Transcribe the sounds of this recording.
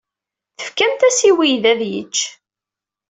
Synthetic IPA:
θə̥fkæmt̪æsiwijðæðjə̰t͡ʃː

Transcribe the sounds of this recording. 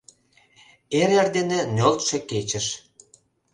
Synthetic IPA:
eɾerd̪enenʲolt̪ʃĕket͡ɕə̆ʃ

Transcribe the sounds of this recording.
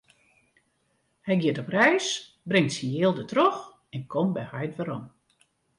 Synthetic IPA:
hɛjɡjɪətɔprɛjs | brɪŋtsijeːlˠdətrox | ɛnkʰɔmbɛjhajtʋəɾɔm

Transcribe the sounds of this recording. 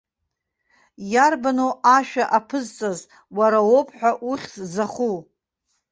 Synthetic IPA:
jarbanoʔaʃᶣaʔapʰɨzt͡sʼaz | waɾawo̞pʼʰħʷᶣaʔuχʲsʼzaχu

